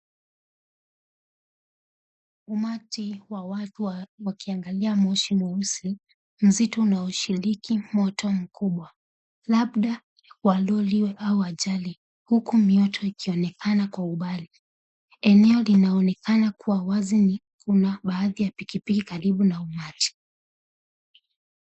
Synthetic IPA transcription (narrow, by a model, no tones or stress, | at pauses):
umatiwawatuwakiaŋɡaliamɔʃimɔusi | m̩zitɔunaɔʃiɾikimɔtʰɔm̩kuɓwa | laɓɗa | walɔliwɛʔauaʄali | hukumiɔtʰɔikʰiɔnɛkanakwauɓali | ɛnɛɔlinaɔnɛkanakuwawazini | kunaɓaːðijapikipikikaɾiɓunaumati̥